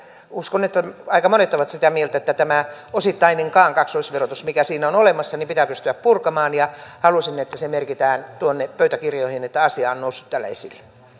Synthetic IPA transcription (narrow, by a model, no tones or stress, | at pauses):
uskonet̪ːæɑikɑmonet̪ːoʋɑt̪sit̪æmielt̪æet̪ːæt̪æmæosit̪ːɑineŋkɑːŋkɑksoisʋerot̪usmikæsiːnæonolemɑsːɑnimpit̪æpyst̪yæppurkɑmɑːnjɑhɑlusinːet̪ːæsemerkit̪æːnt̪uonːepøyt̪ækirjoihinet̪ːæɑsiɑːonnousːu̥t̪t̪ælːæ̰ḛsilːe̥